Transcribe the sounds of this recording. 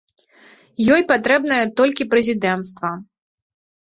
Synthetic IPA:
jɔjpat̪ɾɛbn̪ɐjɐt̪ɔlʲkʲipɾɛzʲid̪ɛnt̪st̪vɐ

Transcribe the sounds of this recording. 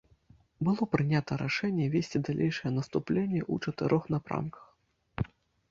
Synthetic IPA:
bɨlˠɔpɾɨnʲat̪ɐɾaʂɛnʲːɛvʲesʲt͡sʲid̪alʲʔejʂɐjɛnɐst̪uplʲenʲːɛʔut͡ʂɐt̪ɨɾʔɔxnapɾa̰mkɐ̥x

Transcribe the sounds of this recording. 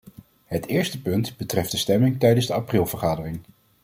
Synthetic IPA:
ɦətɪːɹstəpɵntbətrɛfdəstɛmɪŋtɛjdənzdəɑprɪlˠvəɹχaːdərɪŋ

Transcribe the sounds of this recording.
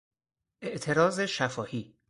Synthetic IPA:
ʔeʔt̪ʰe̞ɾɒːzeʃæfɒːhiː

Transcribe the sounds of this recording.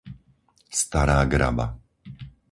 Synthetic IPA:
st̪aɾaːɡɾa̰ba̰

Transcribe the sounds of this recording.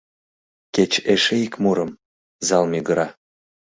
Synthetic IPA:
ket͡ɕeʃeikmuɾə̆m | zɑlmʲiɡəɾɑ

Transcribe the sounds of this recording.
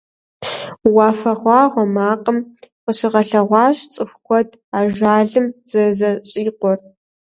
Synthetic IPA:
wɑːfɐʁʷɑːʁʷɔmaːqʼəmqəɕɪʁɐɬɐʁʷɑːɕt͡sʼɨxkʷʰɔdʰʼ | aːʒʷaːɮɨmz̥ɐzɐɕʼiːqʷɔr

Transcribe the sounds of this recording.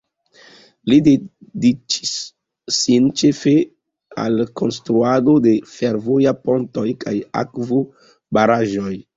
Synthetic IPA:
lidedit͡ʃi̥sː | int͡ʃe̞fe̞ | a̰lkʰo̞nstɾuadode̞fe̞ɾvojapo̞nto̞jkʰaja̰kvo | baɾaʒo̞j

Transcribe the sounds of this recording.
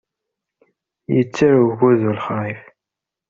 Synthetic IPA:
jət͡sːaɾuɣuðulχɾˤif

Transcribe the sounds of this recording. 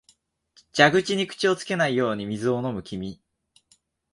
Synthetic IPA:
d͡ʑaɡɯ̟t͡ɕiɲ̟ikɯ̥t͡ɕio̞t͡sɨ̥ke̞naijo̞ːɲ̟imʲizɨo̞no̞mɯ̟kʲimʲi

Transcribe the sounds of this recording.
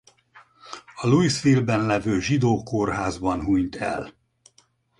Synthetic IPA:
ɒluisfilbɛnlɛvøːʒid̪oːkorɦaːzbɒnɦuɲt̪ɛ̰l

